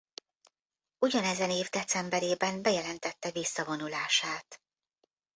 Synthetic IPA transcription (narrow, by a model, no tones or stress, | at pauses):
uɟɒnɛzɛneːvd̪ɛt̪sɛmbɛɾeːbɛnbɛjɛlɛnt̪ɛt̪ːɛvisːɒvo̞nulaːʃaːt̪